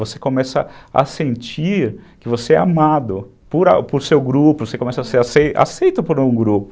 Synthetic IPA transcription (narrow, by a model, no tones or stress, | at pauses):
vose̥komɛsɐɐ̰sẽnt͡ʃiɾkɪvoseɛ̰amad̪ʊ | poɾa̰pʊɾsewɡɾupʊvosekõmɛsɐseɾasea̰sejt̪ʊpoɾ̃ũɡɾupʊ